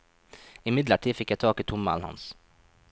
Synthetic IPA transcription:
ɪmɪd̪ləʈʰiːfɪkjæɪt̪ʰɑːkiːt̪ʰʊmɑ̰lhɑ̰ns

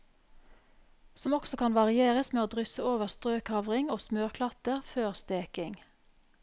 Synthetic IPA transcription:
sɔmɔksɔkʰɑnʋɑʁɪeːʁəsmeːoːd̪ʁʏsəoːʋəʁst̪ʁøːkʰhɑʋʁɪŋoːsmøːʁkʰlɑt̪əʁføːʁst̪eːkɪŋ

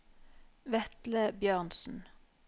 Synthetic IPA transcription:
ʋɛt̪ləbjøːʁnsn̩

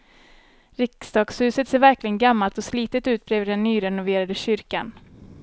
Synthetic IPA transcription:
ɾɪksd̪ɑːɡshʉ̟ːsət̪seːɾvæɾklɪɡənɡamːalt̪ɔsliːt̪ət̪ʉ̟ːt̪̚bɾeːvəɖɛnːyːɾɛnʊveːɾad̪əɕʏɾka̰n

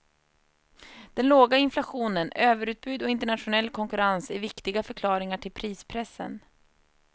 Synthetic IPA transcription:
d̪̥ɛnloːɡaɪnflaɧuːnənøːvəɾʉːt̪̚bʉ̟ːd̪ɔɪnt̪əɳat̪ɧʊnɛlːkʰɔŋkɵɾansæɾvɪkt̪ɪɡafœɾkʰlɑːɾɪŋaʈʰɪlpʰɾiːspʰɾɛsːə̰n

